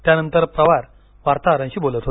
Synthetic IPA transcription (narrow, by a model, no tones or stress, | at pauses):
t̪janənt̪əɾpɾəʋaɾ | ʋaɾt̪aɾə̃nɕiːbolət̪ɦo